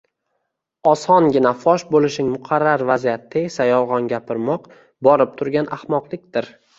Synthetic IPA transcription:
ɒsɒnɡʲɪnafɒʃbolɪʃnɪŋmʊqʰɑɾːaɾvazijat̪ʰːɪesajɒlˠʁɒnɡʲapʰɪɾmɒq | bɒɾɪp̚t̪ʰʊɾɡʲanʔahmɒqlˠɪkʲd̪ɪɾ

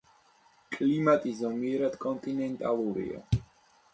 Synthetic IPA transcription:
kʼlimat̪ʼizɔmiɛɾad̪̥kʼɔnt̪ʼinɛnt̪ʼalˠuɾḭa̰

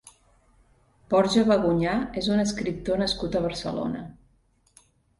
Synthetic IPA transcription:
pɔɾʒəβəɣuɲaezunəskɾip̚t̪onəskut̪əβ̞əɾsə̰lo̰nə̰

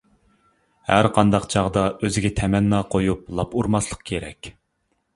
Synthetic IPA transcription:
hæɾqʰɑnd̪ɑqt͡ʃʰɑʁd̪ɑʔøzɪɡʲɛt̪ʰɛmɛnːɑqʰojup̚lˠɑpuɾmɑslˠə̥q̚kʲʰeɾɛ̰kʲ

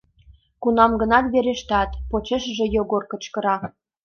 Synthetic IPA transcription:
kunɑmɡə̆nɑt̪βeɾeʃt̪ɑt̪pot͡ɕeʃəʒĕjoɣorkə̆t͡ɕkə̆ɾɑ

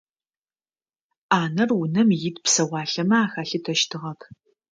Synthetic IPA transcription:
aːnɐrwʊnɐmjɪdpsɐwɑːɬɐmɐaːxaːɬɨtʰɐʃtʰɨʁɐpʰ

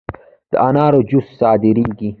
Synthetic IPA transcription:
d̪̥əanaːɾod͡ʑussɑːd̪iɾiːɡi

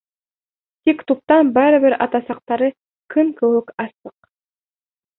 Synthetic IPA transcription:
t̪ikt̪up̚t̪ɑnbɑɾɯβɘɾɑt̪ɑsɑq̚t̪ɑɾɯ | kʰɯŋkɵwɵkɑsɤq

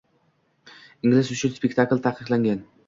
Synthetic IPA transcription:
ɪŋlɪsʊt͡ʃʰʊnspek̚ʲt̪ʰaklt̪ʰaqʰɨqlˠaŋɡʲan

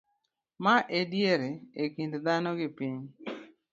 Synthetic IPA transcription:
maʔedjeɾeekindd̪anɔɡɪpiɲ

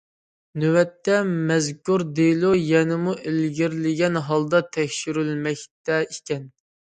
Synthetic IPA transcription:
nywɛt̪ːɛmɛzkʲuɾd̪elˠujɛnɪmuʔelɡʲiɾlɪɡʲɛnɦɑlˠd̪ɑt̪ʰɛkʲʃyɾylmɛkʲt̪ɛikʲɛn

